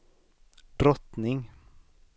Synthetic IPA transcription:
d̪̥ɾɔt̪nɪŋ

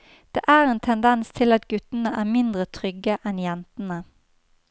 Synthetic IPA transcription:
d̪̥ḛːʔæːʁeːnt̪ʰɛnd̪ɛnst̪ʰɪlɑt̪ɡʉt̪ənəʔæːmɪnd̪ʁət̪ʰʁʏɡəʔɛnjɛnt̪ənə

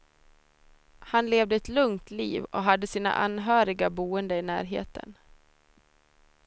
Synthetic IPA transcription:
hanleːvd̪əɛt̪lɵŋt̪lḭːvɔ̰ɦad̪ːəsiːna̰ʔa̰nɦœːɾɪɡabuːənd̪əɪnæ̰ːɾɦḛːt̪ʰə̰n

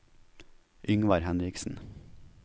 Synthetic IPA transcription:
ʔʏŋʋɑɾhɛnɾɪksn̩

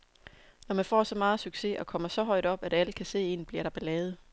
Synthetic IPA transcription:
nɒmænfɒ̰ːsɒ̽mɑ̈ːð̩ˠsyɡ̥se̝ɒ̽kʰɒ̽m̰ɐsɒ̽ɦɒ̽ɪ̰d̥ɒ̽b̥æɾ̥æləkʰæse̝̰ːe̝̰ːnb̥liɐɾ̥ɑ̈b̥e̝lɛːð̞̩ˠ

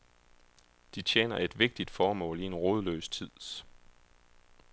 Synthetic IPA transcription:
d̥it͡sʰjḛːnɐe̝d̥ʋe̝ɡ̥̚d̥id̥fɒːmɔ̰̽ːlie̝nʁoːð̞ˠlø̰ːst͡sʰið̰ˠs

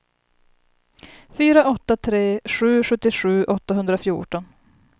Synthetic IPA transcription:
fyːɾaʔɔt̪ːat̪ʰɾeːɧʉ̟ːɧɵt̪ːɪɧʉ̟ːʔɔt̪ːaɦɵnd̪ɾafjṵːʈɔn

